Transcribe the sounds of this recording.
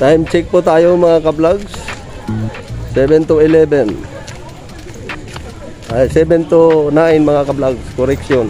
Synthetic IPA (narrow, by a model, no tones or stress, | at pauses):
t̪ajmt͡ʃɪk̚pʊt̪aːjomɐŋakablaɡs | sɛbɛnt̪ʊɪlɛbɛn | ajsɛbɛnt̪ʊnaʔɪnmaŋakablaɡskoɾɛkʃon